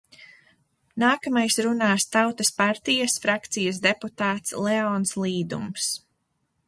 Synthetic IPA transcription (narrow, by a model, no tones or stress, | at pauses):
naːkamajsɾunaːst̪awt̪ɐspaɾt̪ijasfɾakt̪sijɐs̬d̪eput̪aːt̪slɛɔːnslˠiːd̪ṵms